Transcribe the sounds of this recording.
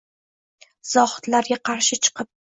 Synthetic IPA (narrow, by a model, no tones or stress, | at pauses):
z̥ɒχɨ̥t̪laɾɡʲaqʰɑɾʃɪt͡ʃʰɨ̥qʰɨp̚